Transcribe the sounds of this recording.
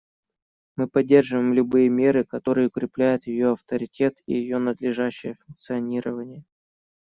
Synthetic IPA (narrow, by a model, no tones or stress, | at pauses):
mɨpɐdʲːe̞rʐɨvəjmlʲʊbɨjəmʲe̞ɾɨkɐt̪o̞ɾɨjəʊkɾʲɪplʲæjʊt̪jɪjo̞ɐft̪əɾʲɪtʲe̞t̪ḭjɪjo̞nəd̪lʲɪʐæɕːɪjəfʊnk̚t̪sɨɐnʲiɾəvənʲɪjə